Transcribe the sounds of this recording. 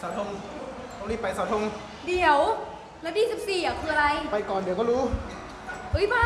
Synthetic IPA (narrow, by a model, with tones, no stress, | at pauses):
saː˨˦t̪ʰo˧ŋ | t̪ʰo˧ŋniː˥˩pa˧jsaː˨˦wt̪ʰo˧ŋ | di˨˩˦ə˦w | lɛː˦˥wdiː˥˩si˨˩p̚siː˨˩ʔa˨˩kʰɯː˧a˧ɾa˧jpa˧jkɔː˨˩ndi˩˦kɔː˥˩ɾuː˦˥ | ʔɯ˦˥jbaː˧˥